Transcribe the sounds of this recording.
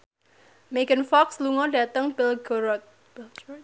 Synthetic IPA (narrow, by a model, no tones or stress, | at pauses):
meɡənfɔksluŋɔdat̪əŋbɪlɡɔɾɔt̪̚